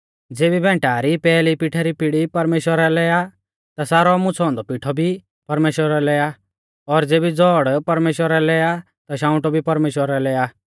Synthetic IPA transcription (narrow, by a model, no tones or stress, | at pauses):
d͡zeːbibʱɛ̃ːɳʈaːɾipɛːlipiʈʰaɾipɪɽipɐɾmeːʃwəɾalɛja | t̪asaːɾɔmʊ̃t͡sʰɔ̃ːnd̪ɔpiʈʰɔbʱi | pɐɾmeːʃwəɾɛlɛa | ɔɾd͡zeːbid͡zɔːɽpɐɾmeːʃwəɾalɛa | t̪aʃ̬ãːʊ̃ʈɔbʱipɐɾmeːʃwəɾalɛa